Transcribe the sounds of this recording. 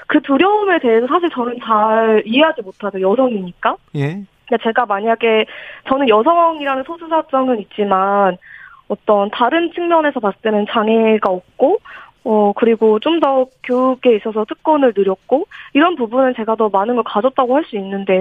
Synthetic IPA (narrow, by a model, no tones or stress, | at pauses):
kɯtuɾjʌume̞te̞ɦesʰʌsʰaɕʰiɭt͡ɕʌnɯnt͡ɕaɭiɦe̞ɦad͡ʑimotʰadojʌsʰʌŋiɲik͈a | at͡ɕe̞ɡamaɲaɡe̞t͡ɕʌnɯnjʌsʰʌŋiɾanɯnsʰosʰusʰat͡ɕ͈ʌŋɯnit̚t͡ɕ͈iman | ʌt͈ʌntaɾɯnt͡ɕʰɯŋmjʌne̞sʰʌpast͈wenɯnt͡ɕaŋe̞ɡaop̚k͈o | ʌkɯɾiɡot͡ɕ͈omdʌkjoɡe̞is͈ʌsʰʌt͈ʰɯk̚k͈ʌnɯɭnɯɾjʌk̚k͈oiɾʌnpubunɯnt͡ɕe̞ɡadʌmanɯnɡʌɭkad͡ʑʌt̚t͈aɡohaɭs͈uinːɯnde̞